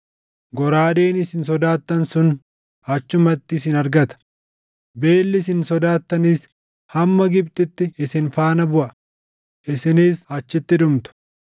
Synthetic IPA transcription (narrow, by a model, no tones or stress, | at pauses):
ɡɔɾaːd̪eːnɪsɪnsɔd̪aːt̪ːɐnsʊn | ɐt͡ʃːʊmɐt̪ːɪːsɪnɐɾɡɐt̪ɐ̥ | be̞ːlːɪs̬ɪnsɔd̪aːt̪ːɐniːs | hɐmːɐɡɪb̚t̪ɪt̪ːɪːsɪnfaːnɐbʊʔɐ | ʔɪsɪniːsɐt͡ʃːɪt̪ːɪᶑʊmt̪ʊ̥